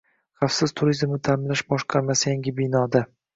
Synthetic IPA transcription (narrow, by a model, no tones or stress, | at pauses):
χɑfsɪz̥t̪ʰʊɾizmnɪt̪ʰamlaʃbɒʃqʰɑɾmasɪjaŋɡʲɪbɪnɒd̪a